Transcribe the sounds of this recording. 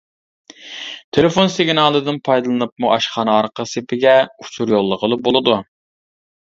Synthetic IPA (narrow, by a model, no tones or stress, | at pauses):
t̪ʰelɪfonsɪɡʲnɑːlˠɨd̪ɨnpʰɑjd̪ɨlˠɨnɨp̚muʔɑʃχɑnɑɑɾqəsɨpʰɪɡʲɛut͡ʃʰuɾjolˠːəqəlˠɨbolˠɨd̪u